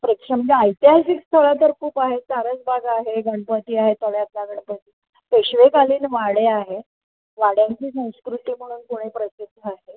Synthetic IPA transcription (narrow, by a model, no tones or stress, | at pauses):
pɾəkʂəmd͡ʑeajt̪iasikst̪ʰəɭat̪əɾkuːpaɦet͡saɾət͡sbʱaɡaɦeɡəɳpət̪iːaɦet̪əʋjat̪laɡəɳpət̪iː | p̪eɕʋekaliːnʋaɽeaɦe | ʋaɽjaɲt͡ɕiːsə̃w̃skɾut̪iːm̤əɽ̃uːnkuɽ̃epɾəsid̪ʱːəaɦe